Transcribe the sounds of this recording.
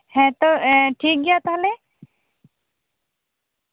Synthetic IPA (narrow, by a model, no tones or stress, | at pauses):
ɦɛ̃t̪ɔʈʰiːk̚ɡijat̪ɦale